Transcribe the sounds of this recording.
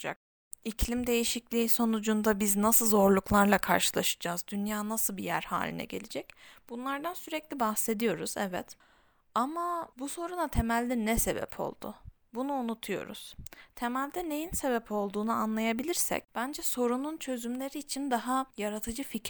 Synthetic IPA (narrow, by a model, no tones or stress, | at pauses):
d͡ʒa̰k̚ | icʰlʲimd̪e̞jiʃiclʲiːso̞nud͡ʒund̪abiznasɯlˠzo̞ɾlˠuklˠaɾlˠakʰa̰ɾʃɯlˠaʃɯ̥d͡ʒaːzd̪ynjaːnasɯlˠbijæ̰ɾha̰ːlʲḭnɛ̰ɟe̞̰lʲed͡ʒɛcb̥unlˠaɾd̪ansyɾɛclʲibahse̞d̪ijo̞ɾuzɛvɛ̰t̪ | amabuso̞ɾunat̪ʰe̞mælʲːinɛse̞bɛ̰pʰo̞̰lˠd̪̥ʊ̰ | bunuːnut̪ʰujo̞̰ɾṵz̥t̪ʰe̞mælʲd̪ɛne̞jinse̞bɛpʰo̞lˠd̪uːnuanlˠajabilʲiɾsɛ̰c̚b̥ænd͡ʒɛso̞ɾununt͡ʃʰø̞zymlʲe̞ɾiːt͡ʃʰind̪aɦajaɾat̪ʰɯd͡ʒɯfic